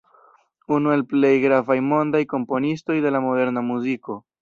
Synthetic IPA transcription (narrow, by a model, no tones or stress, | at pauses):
unue̞lple̞jɡɾavajmo̞ndajko̞mpo̞nisto̞jde̞lamo̞de̞ɾnamuziko̞